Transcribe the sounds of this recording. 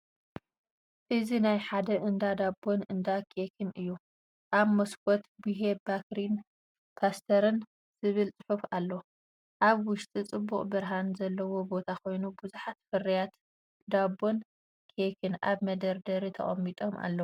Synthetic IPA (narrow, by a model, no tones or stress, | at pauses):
ʔɨzinajħad̪ɐʔɨnd̪ad̪abo̞nɨnd̪akʰekʰɨnɨjːu | ʔaβmɐskʰɔt̪biɦebakɾin | pʰast̪ʰɐɾɨn | z̥ɨβɨlt͡sʼɨ̥ħufalːo | ʔaβwʊʃt̪ʼit͡sʼɨbːuχʼbɨɾɦanzɐlːɐwo̞bo̞t̪ʰakʰo̞jnubɨzuħat̪fɨrijat̪ | d̪abo̞n | kʰekʰɨnʔaβmɐd̪ɐɾd̪ɐɾit̪ʰɐ̰χʼɐ̰mːit̪ʼo̞mʔa̰lːɐw